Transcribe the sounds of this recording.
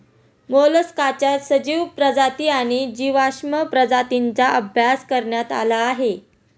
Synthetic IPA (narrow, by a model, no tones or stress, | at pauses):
moləskat͡ɕjasəd͡ʑiʋpɾəd͡zat̪iːaɽ̃id͡ʑiʋaɕməpɾəd͡zat̪int͡saʔəbʱjaskəɾɳjat̪a̰laːɦe